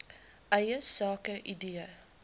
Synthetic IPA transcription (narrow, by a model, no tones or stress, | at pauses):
ʔɐjəsɑːkəʔideə